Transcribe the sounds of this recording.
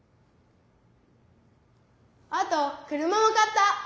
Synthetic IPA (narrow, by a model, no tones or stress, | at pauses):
at̪okɯ̟ɾɯ̟mamokat̪ːa